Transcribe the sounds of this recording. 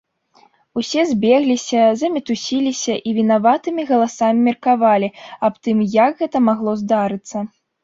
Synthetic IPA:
usʲɛzʲbʲɛɣlʲisʲɐzɐmʲɛt̪usʲilʲisʲɐʔivʲinavat̪ɨmʲiɣɐlˠasamʲimʲirkavalʲiapt̪ɨmjɐkɣɛt̪ɐmaɣlˠɔzd̪aɾɨt̪sːɐ

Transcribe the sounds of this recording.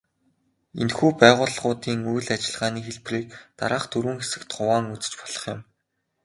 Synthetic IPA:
ḛnxuːpæːʁʊːɮχʊːt̪iːŋujɮat͡ɕɪ̆ɮʁaːniːxeɮpriːk̚t̪a̰ɾaːχt̪ʰɵɾuːŋxesɘ̆kt̪χʊwaːŋut͡sɘ̥̆t͡ɕpɔ̥ɮ̥ɞ̥̆χjʊ̰̆m

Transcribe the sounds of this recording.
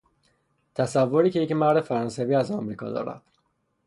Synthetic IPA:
t̪ʰæsævːo̞ɾiːcʰe̞jecmæɾd̪efæɾɒnsæviːæzæmɾiːkʰɒ̰ːd̪ɒ̰ːɾæ̰d̪̥

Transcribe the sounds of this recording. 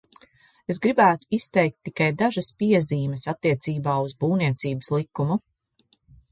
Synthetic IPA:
es̬ɡɾibæːt̪u̥ist̪ɛjk̚t̪ːikajd̪aʒɐspiɛziːmɛsat̪ːiɛt̪siːbaːuzbuːniɛt̪siːbəslˠikːumu

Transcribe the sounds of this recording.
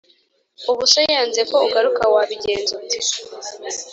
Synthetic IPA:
uβusojaːnzeko̞uɡaɾukawaβiɟe̞ːnzoti

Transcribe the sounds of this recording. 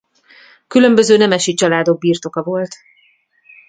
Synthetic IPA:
kylø̞mbø̞zøːnɛmɛʃit͡ʃɒlaːd̪o̞ɡ̚biːrt̪o̞kɒvo̞lt̪

